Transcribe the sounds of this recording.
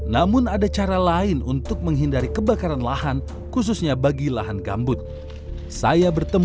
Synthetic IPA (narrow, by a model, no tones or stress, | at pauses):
namʊnadat͡ʃaɾalaɪnṵnt̪ʊk̚məŋɦindaɾikəbakaɾanlaɦan | kus̬usɲabaɡilaɦanɡa̰mbʊt̪̚ | sa̰jabərt̪əm